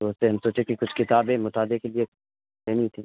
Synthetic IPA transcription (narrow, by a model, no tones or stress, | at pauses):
t̪oʊseɦɐmsoːt͡ʃʰekikʊt͡ʃʰkɪt̪aːbẽmʊt̪aːd̪ekelie | eːnit̪ʰiː